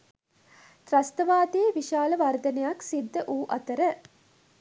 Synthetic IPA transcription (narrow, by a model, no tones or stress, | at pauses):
t̪ɾɐst̪ɐʋaːd̪eːʋiʃaːlɐʋɐɾd̪ɐnejaksid̪ːəʔuːʔɐt̪əɾə